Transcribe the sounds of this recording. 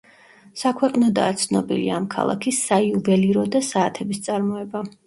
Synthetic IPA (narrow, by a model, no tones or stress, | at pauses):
sakʰwɛqʼnɔd̪a̰ːt̪sʰnɔbḭlḭaːmkʰa̰lˠa̰kʰisaiuvɛliɾɔd̪asaːt̪ʰɛbist̪sʼaɾmɔɛba